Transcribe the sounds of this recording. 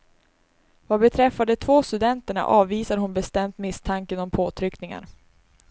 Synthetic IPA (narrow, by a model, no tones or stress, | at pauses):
vabɛt̪ʰɾɛfːad̪ət̪ʰvoːst̪ɵd̪ɛnt̪əɳa̰ʔɑːvːiːsad̪əɦʊnbɛst̪ɛmt̪mɪst̪ʰaŋkənɔmpʰoːt̪ʰɾʏknɪŋa̰ɾ